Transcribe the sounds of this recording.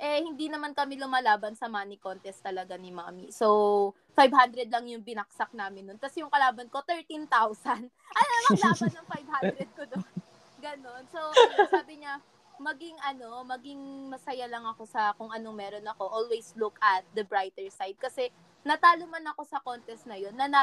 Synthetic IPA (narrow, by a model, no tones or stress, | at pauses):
ʔɛhɪnd̪inɐmankɐmilʊmaːlaːbɐnsɐmaːniko̞nt̪ɛst̪ɐlɐɡanɪma̰ːmiso̞w | fajbhand̪ɾɛd̪̚lɐŋjʊŋbɪnɐk̚sɐk̚naːmɪnːonk̪ɐsɛjʊŋkɐlaːbɐnko̞t̪ɛɹt̪int̪awsɐn | ʔɐjɐlaɐnɐŋfajbhand̪ɾɛd̪̚kod̪on | ɡɐno̞nsosaːbɪɲa | mɐɡɪŋʔɐno̞mɐɡɪŋmɐsɐjalɐŋɐko̞sɐkoŋʔɐno̞ŋmɛɾo̞nɐko̞ʔolwejslukɐt̪̚d̪ɐbɹajt̪ɛɹsajd̪̚kɐsɛ | nɐt̪aːlomɐnɐko̞sɐko̞nt̪ɛst̪̚nɐjo̞nːɐnɐ